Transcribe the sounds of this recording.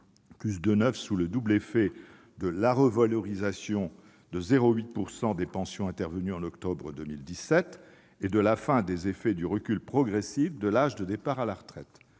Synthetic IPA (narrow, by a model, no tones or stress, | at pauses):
kysd̪ənœfsuləd̪ublefɛ | d̪əlaʁəvalɔʁizasjɔ̃ | d̪əzeʁoɥit̪̚puʁsɑ̃d̪epɑ̃sjɔ̃ɛ̃t̪ɛʁvənyɑ̃nɔkt̪ɔbʁəd̪əmild̪isɛt̪ | ed̪əlafɛ̃d̪ezefɛd̪yʁəkʲylpχɔɡʁesifd̪əlaʒd̪əd̪epaʁalaʁət̪χɛt̪